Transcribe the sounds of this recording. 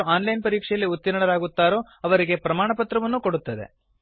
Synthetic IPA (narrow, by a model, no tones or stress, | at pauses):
aːnlɐjnpɐɾiːkʂɛjɐlːiut̪ːiɾɐɳɐɾaːɡut̪ːaːɾo̞ː | ɐʋɐɾiɡe̞pɾɐmaːɳɐpɐt̪ɾɐʋɐnːuko̞ɽut̪ːɐd̪e̞̰